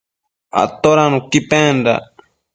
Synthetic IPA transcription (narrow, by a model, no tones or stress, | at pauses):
a̰t̪oɾanũkipɛ̃nɖa̰